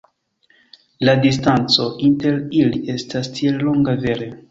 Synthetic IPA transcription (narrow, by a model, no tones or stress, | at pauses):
ladistant͡so̞ʔinte̞ɾiliʔe̞stastʰielːo̞ŋɡave̞ɾe